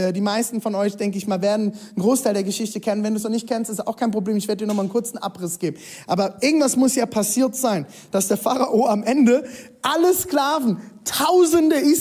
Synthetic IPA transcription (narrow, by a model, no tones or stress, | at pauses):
ɛːdiːmaɪstn̩fɔnɔʏçd̥ɛŋkəɪçmaːlveːɐdn̩nɡʁoːstʰaɪldeːɐɡəʃɪçtəkʰɛnənvɛnduːsnɔnɪçt̚kʰɛnstɪstaʊxkʰaɪnpʁobleːmɪçv̥eːɐdədiɐnɔχmaːnkʰʊɐt͡sn̩ʔa̰pʁɪsɡ̥eːbm̩ʔaːbɐʔɪɐɡŋ̩tv̥asmʊsjaːpʰasiːɐtz̥aɪn | d̥asd̥eːɐfaʁaʔoːamʔɛndə | ʔaləsklaːvn̩tʰaʊzəndəʔiːs